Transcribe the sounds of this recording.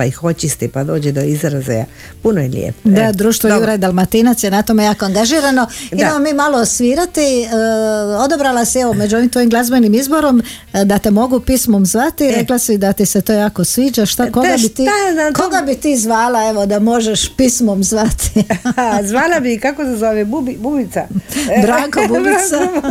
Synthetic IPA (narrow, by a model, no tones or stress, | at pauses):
paixot͡ɕist̪ipad̪o̞ːd͡ʑɛd̪oizɾazḛa̰ | punojeljḛpd̪ad̪ɾuːʃt̪ʋojuɾad̪alˠmat̪inat̪sjenat̪omejaːkoaŋɡaʒiːɾano̞id̪amamiːmalˠoːsʋiːɾat̪i | o̞d̪obɾalasieʋomed͡ʒuo̞ʋimt̪ʋo̞jimɡlˠazbenimizbo̞ɾo̞m | d̪at̪e̞mo̞ɡupismomzʋat̪iɾe̞klasid̪at̪ise̞t̪oːjaːko̞sʋiːd͡ʒaʃt̪akoɡabit̪iːakoɡabit̪iːzʋaːlae̞ʋod̪amo̞ʒeʃpismomzʋat̪i̥ | zʋaːlabikakosezoʋebubibubit̪sabɾaːkobuubisa